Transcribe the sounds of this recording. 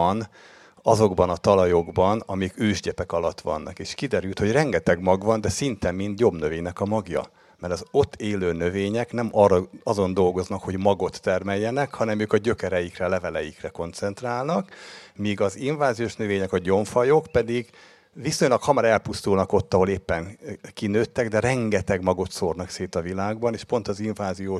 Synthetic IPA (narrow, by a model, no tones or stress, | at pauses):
n | ɒzo̞ɡbɒnɒt̪ɒlɒjo̞ɡbɒnɒmikøːʒɟɛpɛkɒlɒt̪ʋɒ̰nːɒ̰keːʃkid̪ɛɾylt̪ho̞ɟrɛŋɡɛt̪ɛɡmɒɡvɒnd̪ɛsint̪ɛmːint̪jo̞bnøveːɲnɛkɒmɒɡjɒ̰ | mɛɾɒzo̞t̪ːeːløːnø̞veːɲɛknɛmɒrɒzo̞nd̪o̞lɡo̞znɒkho̞ɟmɒɡo̞t̪ːɛrmɛjːɛnɛkhɒnɛmøːkɒɟø̞kɛɾɛjikrɛlɛvɛlɛjikrɛko̞nt̪sɛnt̪raːlnɒkmiːɡɒziɱvaːzijoːʃnøveːɲɛkɒɟo̞ɱfɒjokpɛd̪iɡ | visoɲlɒkhɒmɒɾɛlpust̪ulnɒko̞t̪ːɒɦo̞leːpːɛnkinøːt̪ːɛɡd̪ɛɾɛŋɡɛt̪ɛɡmɒɡo̞t̪sornɒkseːt̪ɒvilaːɡbɒneːʃpo̞nt̪ɒziɱvaːzijoːʃ